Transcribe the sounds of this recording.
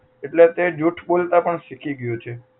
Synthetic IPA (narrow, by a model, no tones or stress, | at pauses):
eʈlet̪ed͡ʒuʈʰɓolt̪apəɳʃikʰiɡəjot͡ʃʰe